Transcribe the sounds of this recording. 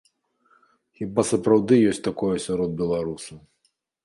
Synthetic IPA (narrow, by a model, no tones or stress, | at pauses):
xʲibasɐpɾawd̪ɨjɔsʲtʲt̪akɔjɛsʲaɾɔd̪̚bʲɛlˠaɾusɐw